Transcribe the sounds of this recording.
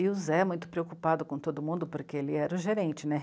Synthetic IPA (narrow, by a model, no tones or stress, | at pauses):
ɪuzɛɛmũj̃t̪ʊ̥pɾeokupad̪ʊkõt̪od̪ʊmũnd̪ʊpoɾkeelɪɛɾʊʒeɾẽnt͡ʃɪnɛ